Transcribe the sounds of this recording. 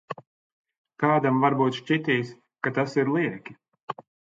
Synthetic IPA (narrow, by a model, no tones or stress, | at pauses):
kaːd̪amvaɾbuːt̪ʃt͡ʃʲit̪iːs | kat̪asiɾlˠiɛkʲi